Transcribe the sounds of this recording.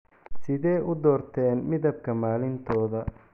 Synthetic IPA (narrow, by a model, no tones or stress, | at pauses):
sɪðɛːʔʊd̪ɔːrt̪ʰɛːnmɪðɐb̚kʰɐmaːlɪnt̪ʰɔːðɐ